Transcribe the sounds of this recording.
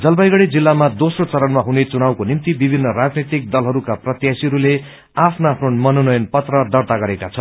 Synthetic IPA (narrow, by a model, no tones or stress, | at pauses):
d͡zʌlbajɡʌɽed͡zilːamad̪osrot͡sʌɾʌnmaɦunet͡sunawkonimt̪ibibʱinːʌrad͡znit̪ik̚d̪ʌlɦʌɾukaprʌt̪jasiɦʌɾule | apʰnoapʰnonmʌnonʌjʌnpʌt̪rʌd̪ʌrt̪aɡʌɾekat͡sʰʌn